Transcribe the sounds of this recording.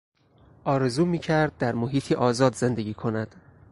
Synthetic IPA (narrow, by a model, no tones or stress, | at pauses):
ʔɒːɾe̞zuːmiːcʰæɾd̪̚ːæɾmoɦiːt̪ʰiʔɒːzɒːd̪ze̞nd̪eɡʲiːkʰonæd̪̥